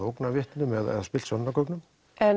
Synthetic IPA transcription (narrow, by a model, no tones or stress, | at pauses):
owknavjɪht̪nʏmɛðɛ̰ðaspɪl̥sɔnːakɔwknʏm | ɛ